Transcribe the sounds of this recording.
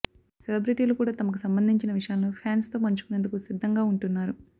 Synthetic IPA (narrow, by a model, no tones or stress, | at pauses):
selɐbɾiʈiːlokuːɽaːt̪ɐmɐk̬usɐmbɐnd̪ʱiɲt͡ʃinɐʋiʂɐjaːloːpʰjaːnst̪o̞ːpɐɲt͡ʃu̥kunend̪ukusid̪ʱːɐŋɡaːuɳʈunːaːɾu